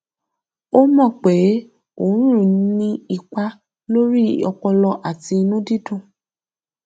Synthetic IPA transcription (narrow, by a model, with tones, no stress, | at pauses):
o˦mɔ̃˦˨k͡pe˨˦ | o˦˨˦ɾũ˦ɾnĩ˦i˧k͡pa˧ | lo˦ɾi˦ɔ˧k͡pɔ˧lɔ˧ʔa˨ti˧nũ˦di˦dũ˦˨